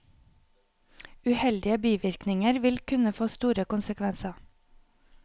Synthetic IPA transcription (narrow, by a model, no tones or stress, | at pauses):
ʉhɛld̪ɪəbiːʋɪɾknɪŋəɾʋɪlkʰʉnəfoːst̪uːɾəkʊnsəkʰʋɛnsɑ